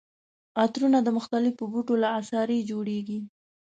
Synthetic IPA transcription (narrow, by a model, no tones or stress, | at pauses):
at̪ɾunad̪əmʊxt̪alɪfəbuʈolaːsɑɾed͡ʒoɽeɡi